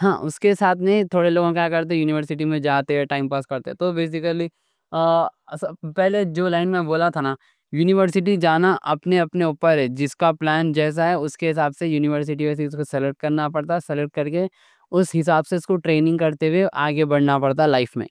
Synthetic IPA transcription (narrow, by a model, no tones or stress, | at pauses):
hãːʔʊskesaːt̪ʰneĩt̪ʰoːɽeloːɡõkjaːkɐɾt̪̬ẽjuːnɪʋəɾsɪʈimẽd͡ʒaːt̪eɦɛʈaːɪmpaːskɐɾt̪eɦɛ̃t̪obeːs̬ɪkəli | spɛɦled͡ʒoːlaːɪnmẽboːlat̪ʰana | juːnɪʋəɾsɪʈ̬id͡ʒaːnaʔɐpneɐpneuːpəɾɦɛd͡ʒɪskaplɛːnd͡ʒɛːs̬aɦɛʊskeɦɪsaːbsejuːnɪʋəɾs̬ɪʈ̬iʋɛːs̬eʊskosɛləʈ̚kɐɾnapɐɽt̪asɛləʈ̚kɐɾke | ʊsɦɪs̬aːbseʊskoʈɾeːnɪ̃ŋɡ̚kɐɾt̪eweʔaːɡebɐɽnapɐɽt̪̬alaːɪfmḛ̃ː